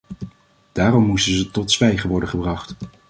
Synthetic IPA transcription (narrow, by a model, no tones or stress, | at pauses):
d̥aːrɔmːustənzətɔtsʋɛjχəʋɔɹdəχəbrɑχt